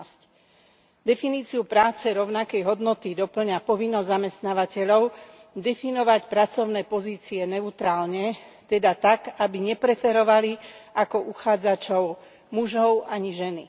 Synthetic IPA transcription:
sc | d̪ɛfiniːt͡siupɾaːt͡sɛɾɔʊnakɛjɦɔd̪nɔt̪id̪ɔpl̩ɲapɔʋinːɔzzamɛst̪naːʋacɛʎɔʊ | d̪ɛfinɔʋacpɾat͡sɔʊnɛːpɔziːt͡siɛnɛut̪ɾaːlɲɛt̪ɛd̪at̪akabiɲɛpɾɛfɛɾɔʋaliʔakɔʔuxaːd͡zat͡ʃɔʊ | muʒɔʊaɲiʒɛni

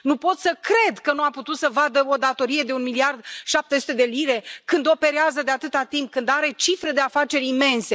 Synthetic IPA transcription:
nupo̞t̪səkɾe̞d̪kənuaput̪ut̪səvad̪əo̞d̪at̪o̞ɾije̞d̪e̞unmiliard̪ʃap̚t̪e̞su̥t̪e̞d̪e̞liɾe̞kɨnd̪o̞pe̞ɾeazəd̪e̞at̪ɨt̪at̪imp̚kɨnd̪aɾe̞t͡ʃifɾe̞d̪e̞afat͡ʃe̞ɾʲime̞nse̞

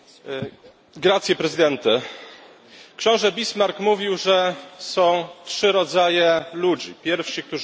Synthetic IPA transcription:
ɡɾat̪sʲjɛpɾɛzɘd̪ɛnt̪ɘ | kɕɔ̃w̃ʐɛbʲismaɾkmuvʲiwʐɛsɔ̃w̃tʂɘɾɔd̪zajɛlud͡ʑḭpʲjɛɾfʂik̚t̪uʐ

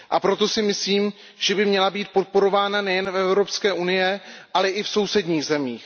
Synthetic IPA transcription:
ʔapɾo̞t̪o̞sɪmɪsliːm | ʒ̥ɛbɪmɲɛlabiːt̪̚po̞t̪̚po̞ɾo̞vaːnanɛjɛnfɛvɾo̞pskɛːʔunɪjɛʔalɛʔɪfso̞wsɛdɲiːɣzɛmiːx

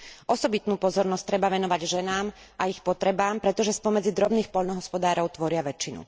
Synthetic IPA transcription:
ʔɔsɔbit̪nuːpɔzɔɾnɔst̪ɾɛbaʋɛnɔʋaɟʒɛnaːm | ʔaixpɔt̪ɾɛbaːmpɾɛt̪ɔʒɛspɔmɛd͡zid̪ɾɔbniːxpɔʎnɔɦɔspɔd̪aːɾɔʊt̪ʋɔɾɪaʋɛt͡ʃːinṵ

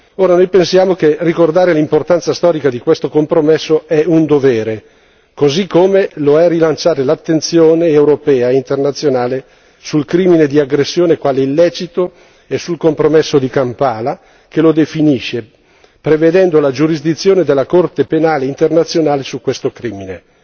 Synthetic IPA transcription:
oːɾanojpensjaːmokerikord̪aːɾelimport̪ant̪sast̪ɔːɾikad̪ikwest̪okompɾomesːoɛund̪ovɛːɾe | kozikːomeloɛrilant͡ʃaːɾelat̪ːent̪sjoːneewɾopɛːaint̪ernat̪sːjonaːle | sulkɾiːmined̪iaɡɾesːjoːnekwaːleilːɛːt͡ʃit̪o | esːulkompɾomesːod̪ikampaːla | kelod̪efiniʃe | pɾeved̪ɛnd̪olad͡ʒuɾizd̪it̪sːjoːned̪elːakort̪epenaːleint̪ernat̪sːjonaːlesukwest̪okɾiːmine

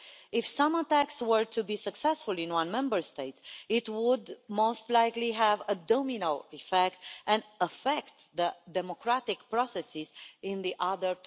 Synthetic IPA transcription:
ɪfsʌ̃mət̪ækswə˞t̪ʰubisəksɛsfulˠĩnwʌ̃nmɛ̃mbəɹst̪eɪtɪt̪wʊd̪moʊst̪laɪkliɦævəd̪ominəlˠifɛk̚t̪ɛ̃nəfɛkt̪ðəd̪ɛmokɹat̪ɪkpɹɔsɛsizɪ̃nðiʔaðəɹ

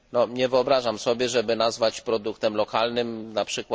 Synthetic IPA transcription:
nɔɲɛvɘɔbɾaʐamsɔbʲjɛʐɛbɘnazvat͡ɕpɾɔd̪ukt̪ɛmlɔkalnɘmnapʂɘkw

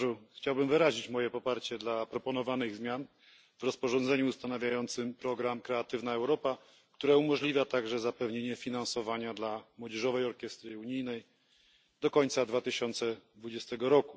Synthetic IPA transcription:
ʐuxt͡ɕawbɘmvɘɾaʑit͡ɕmɔjɛpɔpaɾt͡ɕɛd̪lapɾɔpɔn̪ɔvanɘɣzmʲjan | v̥ɾɔspɔʐɔ̃nd̪zɛɲuːst̪anavʲjajɔnt̪sɘmpɾɔɡɾamkɾɛat̪ɘvnaɛwɾɔpa | kt̪uɾaumɔʐlʲivʲjat̪aɡʐɛzapɛvɲeɲɛfʲinansɔvaɲad̪lamwɔd͡ʑɛʐɔvɛjɔɾkʲjɛst̪ɾɨuɲijnɛj | d̪ɔkɔɲʲt̪sad̪vat̪ɘɕɔnt̪sɛd̪vud͡ʑɛst̪ɛɡɔɾɔku

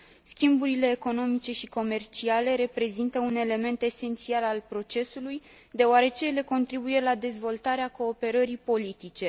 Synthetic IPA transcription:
skʲimbuɾile̞ːko̞no̞mit͡ʃe̞ʃiko̞me̞rt͡ʃiale̞ɾe̞pɾe̞zint̪əune̞le̞me̞nt̪e̞se̞nt̪sialalpɾo̞t͡ʃe̞suluj | d̪e̞oaɾe̞t͡ʃe̞jle̞ko̞nt̪ɾibuje̞lad̪e̞zvo̞lt̪aɾeako̞ːpe̞ɾəɾipo̞lit̪it͡ʃe̞

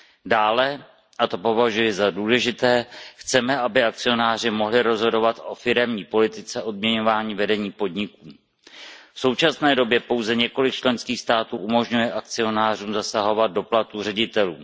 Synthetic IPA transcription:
daːlɛ | ʔat̪o̞po̞vaʒujɪzaduːlɛʒɪt̪ɛːxt͡sɛmɛʔabɪak̚t͡sɪo̞naːr̝ɪmo̞ɦlɪɾo̞zɦo̞do̞vat̪ʔo̞fɪɾɛmɲiːpo̞lɪt̪ɪt͡sɛʔo̞d̚mɲɛɲo̞vaːɲiːvɛdɛɲiːpo̞dɲɪkuː | fso̞wt͡ʃasnɛːdo̞bjɛpo̞wzɛɲɛko̞lɪk̚t͡ʃlɛnskiːxst̪aːt̪uːʔumo̞ʒɲujɛʔak̚t͡sɪo̞naːr̝uːmzasaɦo̞vad̪̚do̞plat̪urɛɟɪt̪ɛluː

